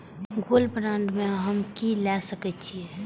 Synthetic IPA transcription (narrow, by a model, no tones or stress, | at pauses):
ɡolpɾãɳɖmẽɦəmkilɛsəkət͡ʃʰie